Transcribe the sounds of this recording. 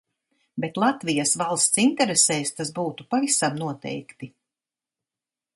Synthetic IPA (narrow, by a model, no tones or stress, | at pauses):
bɛt̪lˠat̪vijasvalˠst̪sint̪ɛɾesɛːst̪asbuːt̪upavisamnuɔt̪ɛ̰jkt̪i